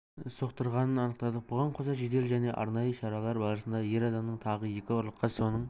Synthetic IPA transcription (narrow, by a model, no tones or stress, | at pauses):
so̞qt̪əɾʁɑnənɑnəq̚t̪ɑd̪əb̥ʊʁɑɴqʰozɑʒed̪e̞lʒæne̞ʔɑ̰ɾnɑjəʃɑɾɑlˠɑɾbɑlˠɾəsənd̪ɑje̞ɾɑd̪ɑmnəɴt̪ʰɑʁəje̞kʲɪoɾlˠəqːɑso̞nəɴ